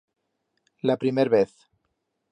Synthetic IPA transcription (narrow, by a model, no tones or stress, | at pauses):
lapɾimeɾβeθ